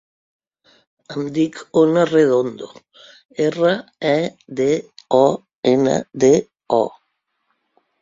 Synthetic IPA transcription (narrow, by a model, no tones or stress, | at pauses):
amd̪ikonareðond̪o | eraɛd̪eɔ | ena̰d̪e | ɔ